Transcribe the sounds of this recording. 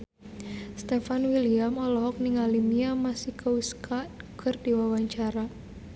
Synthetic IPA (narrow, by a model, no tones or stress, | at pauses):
st̪ɛfanwiliamɔlɔɦɔk̚niŋalimiamasikauskʰat̪̚kʰɨrdiwawaɲt͡ʃaɾa